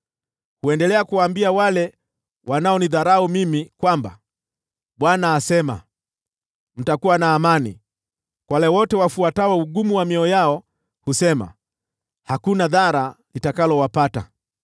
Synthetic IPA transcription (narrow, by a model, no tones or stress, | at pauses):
huɛndɛlɛakuwaːmbiawalɛ | wʔanaɔniðaɾaumimikwamba̰ | ɓwanaːsɛma̰ | m̩takuwanaːmanḭ | kwalɛwɔtɛwafuatawɛuɡumuwamiɔjaɔ | husɛma̰ | hakunaðaɾalitakalɔwapata̰